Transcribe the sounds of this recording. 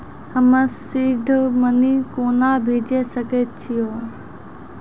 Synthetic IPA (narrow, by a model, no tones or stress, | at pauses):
həməsɪd̪ʱmənikoːnaːbʱeːd͡ʒesəket͡ʃʰijoː